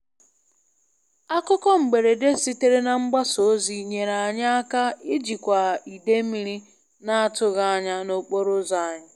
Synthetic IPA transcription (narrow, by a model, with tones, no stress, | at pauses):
a˦kʊ˦kɔ˦ŋ͡m̩˨ɡ͡be˨ɾe˨de˦si˦te˦ɾe˦na˨ŋ͡m̩˦ɡ͡ba˦so˨˦zi˦ɲe˨ɾa˨a˨ɲa˦a˦ka˦ɪ˦d͡ʒi˨kʷa˨i˨de˦mi˦ɾi˦ | na˦a˦tʊ˦ɣa˦a˦ɲa˦no˦k͡po˦ɾʊ˦za˨ɲa˦